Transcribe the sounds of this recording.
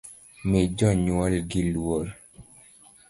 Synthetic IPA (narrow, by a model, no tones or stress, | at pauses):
med͡ʒɔɲwɔlɡilwol